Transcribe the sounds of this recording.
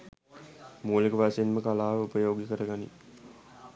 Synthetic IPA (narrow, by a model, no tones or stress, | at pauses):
muːlekəʋaseinməkalaːʋəupəjoːɡjikəɾəɡanḭ